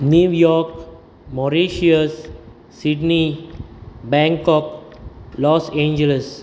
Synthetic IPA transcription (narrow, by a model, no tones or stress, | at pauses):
njujɔk | mɔɾiʃiəsː | idni | bɛ̃ŋkɔk̚lɔsẽnd͡ʒələs